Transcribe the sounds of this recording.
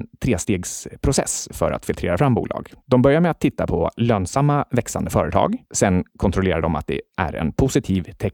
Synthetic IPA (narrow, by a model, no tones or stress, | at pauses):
t̪ʰɾeːst̪eːɡspʰɾʊsɛ̰sfœ̰ɾa̰t̪fɪlt̪ɾeːɾafɾamːbṵːlɑ̰ːɡd̪ɔmbœɾjaɾmɛat̪ʰːɪt̪ːapʰɔløːnsamːavɛksand̪əfœːɾət̪ʰɑ̰ːɡsɛnkʰɔnt̪ʰɾɔleːɾaɾɖd̪ɔma̰t̪̚d̪ɛ̰ʔæ̰ɾɛ̰npʰʊsɪt̪ʰiːvt̪ʰɛk